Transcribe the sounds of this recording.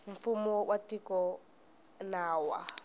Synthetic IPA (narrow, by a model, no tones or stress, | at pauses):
ɱ̩fumɔwʔatʼikɔ | naːwa